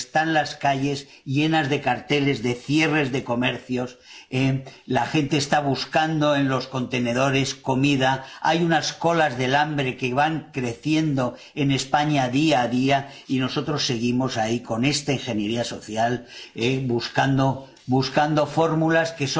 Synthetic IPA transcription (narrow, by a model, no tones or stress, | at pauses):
st̪anlaskaʎe̞s | ʎe̞nazðe̞kaɾt̪e̞le̞zðe̞θje̞re̞zðe̞ko̞me̞ɾθjo̞selaxe̞nt̪e̞ːst̪aβ̞uskand̪o̞e̞nlo̞sko̞nt̪e̞ne̞ð̞o̞ɾe̞sko̞miðaa̰junasko̞lazðe̞lambɾe̞ke̞βaŋkɾe̞θje̞nd̪o̞ | e̞ne̞spaɲaðiaðia | ino̞so̞t̪ɾo̞sːe̞ɣ̞imo̞saiko̞ne̞st̪ainxe̞nje̞ɾiaso̞θjalebuskand̪o̞ | βuskand̪o̞fo̞ɾmulaske̞so